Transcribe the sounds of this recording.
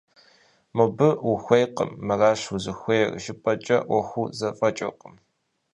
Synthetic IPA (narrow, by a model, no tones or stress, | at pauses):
mɨbɨwʊxʷejqʼə̰mːɐraːɕuzɨxʷejrʒɪpʼɐt͡ʃʼɐ̰wɔxʷuzɐfʼɐt͡ʃʼɐ̰qʼəm